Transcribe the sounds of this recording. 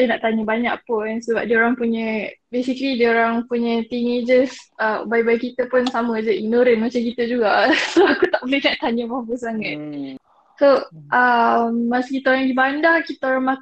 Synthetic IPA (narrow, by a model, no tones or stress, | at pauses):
dənaʔt̪aɲəbaɲa̰ʔ̚pʊnsəbap̚diəoɾaŋpuɲə̃besiklidiəoɾaŋpuɲə̃t̪ined͡ʒəsəbajbajkit̪əpʊnsaməd͡ʒəiɡ̚noɾənmat͡ʃamkit̪əd͡ʒuɡasoakut̪aʔ̚bolɛhnaʔt̪aɲəpabəsaŋat̪̚ | soʔəmːasikit̪aoɾãŋɡibandakit̪aoɾaŋmak̪